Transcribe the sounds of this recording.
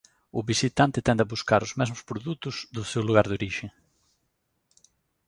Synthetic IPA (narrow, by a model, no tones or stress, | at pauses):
ʊβisit̪ant̪ɪt̪ɛnd̪ɐβuskaɾʊzmɛzmʊspɾoðut̪ʊzðʊsewluɣ̞aɾðoɾiʃe